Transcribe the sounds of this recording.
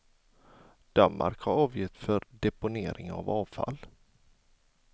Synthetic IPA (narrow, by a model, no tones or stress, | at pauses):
d̪̥anma̰ɾkhaɾɑːvjɪt̪ːfœɾɖ̪ɛpʊneːɾɪŋa̰vɑːvfa̰l